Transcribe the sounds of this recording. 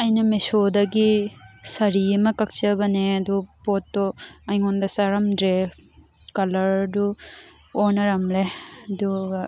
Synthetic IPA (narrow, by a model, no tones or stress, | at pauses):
ɐjnɐmesod̪ɐɡisɐɾimɐkɐk̚t͡ʃɐbɐneɐd̪upɔtːɔɐjŋɔnd̪ɐsɐɾɐmdɾe | kɐlɐɾdu | ɔnɐɾɐmleɐd̪u